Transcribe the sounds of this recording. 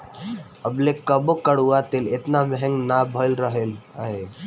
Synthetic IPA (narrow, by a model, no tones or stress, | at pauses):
əblekəbokəɽuat̪elet̪namɛɦɛ̃ŋɡnabʱəlɾəɦelaɦe